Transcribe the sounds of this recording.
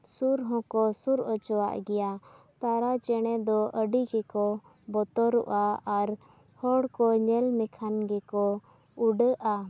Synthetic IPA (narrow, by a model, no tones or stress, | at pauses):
suɾɦɔ̃kɔsuɾɔt͡ʃɔwa̰ʔɡɛja | t̪aɾat͡ʃɛɽ̃ɛd̪ɔʔəɖiɡɛkɔ | bɔt̪ɔɾuʔaaɾ | hɔɽkɔɲɛlmɛkʰanɡɛkɔ | uɖəʔa